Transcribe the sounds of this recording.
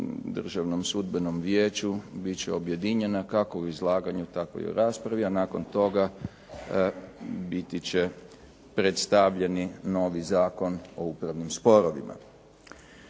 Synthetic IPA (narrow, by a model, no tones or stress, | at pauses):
d̪r̩ʒaʋno̞msud̪beno̞mʋjeːt͡ɕubitt͡ɕeo̞bje̞d̪iɲe̞nakako̞uizlˠaːɡaɲut̪akʋo̰jo̰ɾaːspɾaʋianaːko̞nt̪o̞ɡa | bit̪it͡ɕe̞ | pɾet̪st̪aʋʎe̞nino̞ʋizaːko̞no̞upɾaʋnimspo̞ɾoʋḭma̰